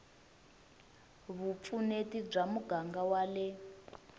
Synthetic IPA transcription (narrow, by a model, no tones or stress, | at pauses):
βup̪funetib͡ʐamuɡaŋɡawalɛ